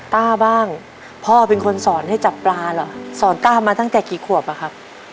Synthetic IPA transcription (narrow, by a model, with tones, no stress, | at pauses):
t̪aː˥˩baː˥˩ŋ | pʰɔː˥˩pe˧nkʰo˧nsɔː˩˦nha˥˩jt͡ɕa˨˩pːlaː˧lɔ˨˩˦sɔː˩˦nt̪aː˥˩maː˧t̪ʰa˥˩ŋt̪ɛː˨˩kiː˨˩˦kʰu˨˩əp̚a˨˩kʰa˦˥p̚